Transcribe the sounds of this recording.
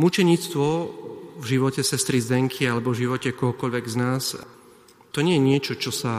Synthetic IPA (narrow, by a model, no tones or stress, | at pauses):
mut͡ʃɛɲiːt͡st̪ʋɔvʒiʋɔcɛsɛst̪ɾizd̪ɛŋkʰialɛbɔvʒiʋɔcɛkɔɦɔkɔʎʋɛɡznaːs | t̪ɔɲɛjɛɲɪɛt͡ʃɔt͡ʃɔsa